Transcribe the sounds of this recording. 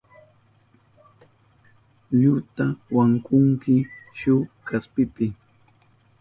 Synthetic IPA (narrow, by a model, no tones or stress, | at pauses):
ʎʊt̪awaŋkʊŋkɪʃʊkaspɪpɪ